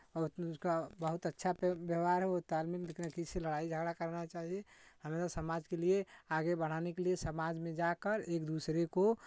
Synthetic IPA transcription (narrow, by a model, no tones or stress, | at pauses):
skabəɦut̪ətːʃʰabjəʋaɾɦɛot̪almiklekʰnakiseləɽaid͡ʒʱəɡɽakəɾnat͡ʃaɦieɦəmet̪asəmad͡ʒkelieaɡebəɽ̤anekeliesəmad͡ʒmẽd͡ʒakəɾekd̪usɾeko